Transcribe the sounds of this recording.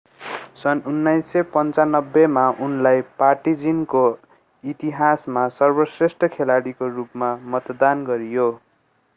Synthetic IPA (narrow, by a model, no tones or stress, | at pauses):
sʌnunːajsːepʌnt͡sanʌbːemaʔunlajparʈid͡zinko | it̪iɦasmasʌrbʌsresʈʰʌkʰelaɽikorupmamʌt̪d̪anɡʌɾijo